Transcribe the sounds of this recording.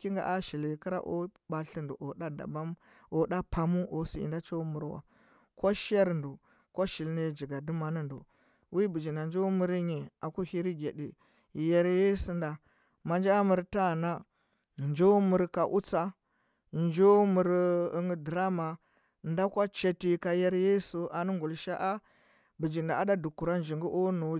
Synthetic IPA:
ki˦ŋɡa̰˨ʔa˦ʃi˨li˨ki˦ɾa̰˦ʔo̰˦ba˨ɬi˦ndṵ˨ʔo˨ɗa˦da̰˨ba˦m | o˨da˦pa˨mu˦o˨sḭ˨ḭ˨nda˦t͡ʃo˦mu˨ɾwa̰˨ | ko˦ʃa˦ɾndu˨ | ko˦ʃi˨lne˦d͡ʒi˨ɡa˨du˦ma˨ni˦ndṵ˨ | wi˦bi˨d͡ʒi˨na˨nd͡ʒo˦mu˦ɾi˦ɲe˨a˨ku˦hi˦ɾi˦ɡʲe˨di˨ | je˨ɾje˦si˦nda˨ | ma˨nd͡ʒa˦a˦mu˨ɾta˦˨na˦ | nd͡ʒo˦mu˨ɾka˨ʔu˦t͡sa˦ | nd͡ʒo˦mu˨ɾi˨ŋ˦di˨ɾa˦ma˨ | nda˦kʷa˦t͡ʃe˨ti˨ka˨je˦ɾje˦su˨ʔa˨nu˦ŋɡu˨lʃa˦ʔa˦ | bi˨d͡ʒi˨nda˨a˦da˦du˨ku˨ɾa˦nd͡ʒi˨ŋɡu˦ʔo˦no˨˦

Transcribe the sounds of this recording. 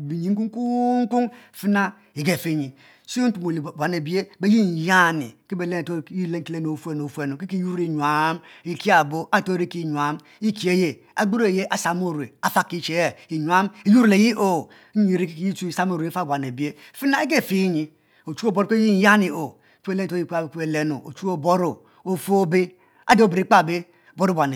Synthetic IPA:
bi˨ɲi˨ŋ̩˦ku˦ŋ˦ku˦ŋ̩˦ku˦ŋfi˦na˦ | i˨ɡe˨fi˦ɲi˨ | si˦o˦u˨mo˨lbʷa˨ne˨bi˦e˦be˦ji˦n˨ja˦nḭ˨ki˦be˨le˦˨to˦i˦le˦ŋ̩˦i˦le˦n˨o˨fu˦e˦n˨o˨fe˨no˨ki˦ki˦ju˦ɾi˨ɲu˨a˨˦mi˨ki˦a˨bo˦a˦˨to˦ɾi˦ki˦˨ɲ˨a˦m | i˦ki˨e˦je˦ | a˨ɡ͡bu˦ɾe˨je˦ʔa˨sa˨m˦o˦˨ɾe˨a˨fa˦ki˦t͡ʃe˨e˦i˨ɲu˨a˦mi˨˦ju˦ɾle˨ji˦ʔo˦˨˦ | i˨ɾi˦kji˦t͡ʃu˦i˨sa˦m˦o˨ɾfa˦˨bʷa˨n˨e˨bi˦e˦˨fi˦na˦e˦ɡ̬e˦˨fi˦ɲi˨˦ | o˨t͡ʃu˦o˦˨bo˦ɾo˦ke˦i˦˨˦ja˦ni˨o˨ | ke˦le˦n˨o˦i˦˨kke˨le˦no˨o˨t͡ʃu˦o˦bo˦ɾo˨ | o˨fu˦o˦be˦ | a˦do˦˨bɾi˦k͡pa˦˨be˦˨ | bo˦ɾu˦bʷa˨ne˨

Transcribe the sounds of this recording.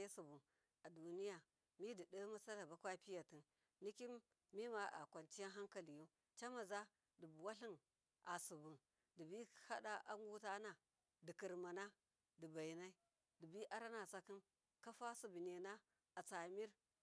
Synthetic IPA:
e˦su˨bu˨n | a˨du˨ni˦ja˨ | mi˦di˨də˦ma˦sa˦la˨ba˦kʷa˦pi˦ja˨ti˨n | ni˦ki˦mː | i˦ma˨a̰˨kʷa˨nt͡ʃi˦ja˦ɦa˦ŋka˨li˨ju˦ | t͡ʃa˦ma˨za˦ | di˨bu˨wa˦ɬi˦n | ʔa˨su˨bu˨n | di˨bi˦ha˦ɗa˦ʔa˦ŋɡu˦ta˦na˨ | di˨ki˨ɾma˨na˦ | di˨ba˨i˨na˦i˦ | di˨bi˦ʔa˦ɾa˦na˨sa˦ki˦n | ka˦fa˦su˨bi˨ne˨na˦ | a˨t͡sa˨mi˦ɾ

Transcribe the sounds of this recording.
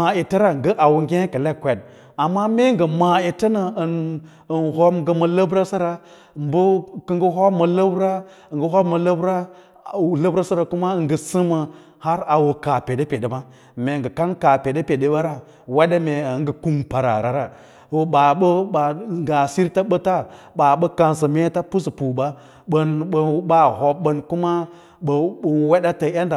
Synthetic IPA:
ma˨e˨ta˦ɾa˨ŋɡə˦ʔa˨wu˨ŋ˦ɡʲẽ˦kə˨le˦kʷe˨d̚ | a˨mːa˦me˦ŋɡə˨ma˨e˨ta˦na˨ə˨n | ə˨nɦo˦mɡə˨mə˨lə˦bɾa˦sa˦ɾa˨ | mbə˦kə˦ŋɡə˦ɦo˦bmə˨lə˦bɾa˦˨ | ɡə˦ɦo˦bmə˨lə˦bɾa˦˨ | lə˦bɾa˦sa˦ɾa˨ku˦ma˦˨ŋɡə˨sɨ˦mə˨ | ha˦ɾa˨wu˨ka˨pe˨de˦pe˨de˨ba˦ | me˨ŋ˨ɡə˨ka˦nka˨pe˨de˦pe˨de˦ɓa˦ɾa˦ | we˦ɗa˦me˨ŋ˦ɡə˨ku˦mpa˨ɾa̰˨ɾa˨ɾa˨ | o˨ɓa˨ɓə˦ɓa˨ŋɡa˨si˦ɾta˦ɓə˦ta˦ɓa˨ɓə˦ka˨nsa˨me˦ta˦pu˦spu˨ba˦ | ɓə˦n˨ɓa˦ɦo˨ɓə˦nku˦ma˦ | ɓə˨we˦ɗa˦ta˨ja˦nda˨

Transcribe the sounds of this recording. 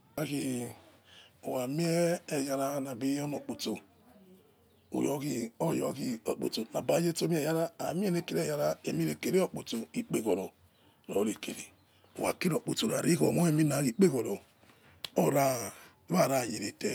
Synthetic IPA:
a˦ki˨ | o˨wa˨mi˦e˦e˨ja˨ɾa˦na˨bi˦o˦no˨k͡po˨to˨ | o̰˨jo˨˦ki˨o˦˨jo˨˦ki˦o̰˨k͡po̰˨to˨na˨ba˨˦je˦to˦m˦e˨ja˦ɾa˦a˨˦mi˦e˦ne˦ke˨ɾe˦˨ja˦ɾa˦e˨mi˦ɾe˨ke˨ɾe˦o˦k͡po˨to˨i˨k͡pe˦ko˨ɾo˨ | no̰˨˦ɾe˨kḛ˨ɾḛ˨ | o̰˨wa̰˨ki˦ɾo˨k͡po˨to˨ɾa̰˨ɾi˦ko̰˨mo˦e˦mi˦na˨˦ki˨k͡pe˦ko˨ɾo˨ | o˦ɾa˦ | βa˦˨ɾa˦˨je˨ɾe˨te˨˦

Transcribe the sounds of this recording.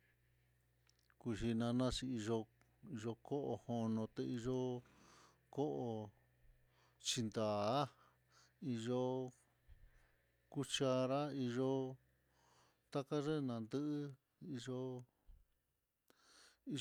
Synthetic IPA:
ku˧ʃi˧nã˧nã˦t͡ʃi˧i˧ʒo˧ | i˧ʒo˧ko˦ʔo˧ho˧nõ˧t̪e˧i˧ʒo˦ | ko˦ʔo˧ | t͡ʃi˧nd̪a˨˦ | i˧ʒo˧ | ku˦t͡ʃa˧ɾa˦i˧ʒo˧ | t̪a˦ka˦ʐe˦˧nã˨˧nd̪ɨ˦ʔ | i˧ʒo˧ | i˧

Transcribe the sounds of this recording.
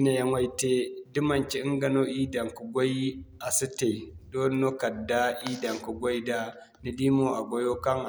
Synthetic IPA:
i˦na˨ja˦ŋwa˦jte˦di˦ma˨nt͡ʃi˦i˦ŋɡa˨no˦ʔi˦da˨ŋku˨ɡʷo˦i˦a˨su˦te˨do˦n˦no˦ka˨dːa˦ʔi˦da˨ŋku˨ɡʷo˦jda˦ | ni˦di˦mo˦a˨ɡʷo˦jo˦ka˦ŋ

